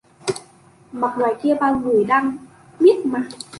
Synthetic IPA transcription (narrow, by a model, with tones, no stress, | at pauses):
ma˨˩k̚la˨˩jki˧ba˧ŋlu˨˩˦jda˧ŋ | mi˦˥t̪̚ma˧